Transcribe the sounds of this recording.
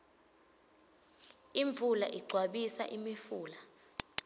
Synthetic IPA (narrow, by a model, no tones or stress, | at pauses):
iɱb̪vʱula̰ʔiɡ͡ǀʱwaɓisa̰ʔimifuːla